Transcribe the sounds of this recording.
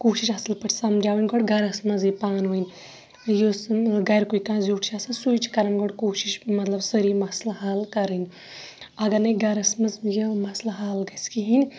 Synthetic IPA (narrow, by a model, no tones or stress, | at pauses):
koːʃiʃɐsɐlpɐʈʰsɐmd͡ʒaːʋinɡoɽɡɐɾɐsmɐzipaːnʋuin | josɡɐjɾkuikãːzjoːʈʰt͡ʃʰaːsɐnsujt͡ʃkɐɾɐnɡoɽkoːʃiʃmɐt̪lɐbsəɾimɐslaɦaːlkɐɾɨn | ɐɡɐnɐɡɐɾɐsmɐzjemɐslaɦaːlɡɐskiɦinʲ